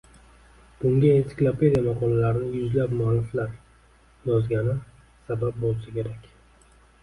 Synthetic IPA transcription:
b̥ʊŋɡʲaesɪ̥klˠapʰe̞d̪ʲijamaqʰɒllaɾɪnɪjʊzlapmʊalːɪflaɾ | jɒzɡʲanɪ | sabap̚bolˠsakʲʰe̞ɾakʲ

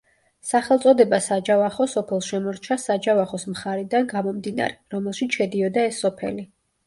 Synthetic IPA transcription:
saχɛlˠt̪sʼɔd̪ɛbasad͡ʒavaχɔsɔpʰɛlˠʃɛmɔɾt͡ʃʰasad͡ʒavaχɔsmχaɾɛd̪anɡamɔmd̪ina̰ɾɛɾɔmɛlˠʃit̪sʃɛd̪iɔd̪aɛsːɔpʰɛ̰li

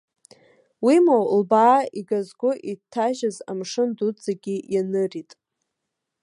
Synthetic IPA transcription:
wimawlbaːiɡazɡʷʊʔitʰːaʒazamʂɨndud͡zaɡʲijanɨritʼ

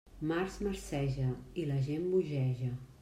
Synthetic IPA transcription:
maɾzməɾsɛʒəiləʒembuʒɛʒə

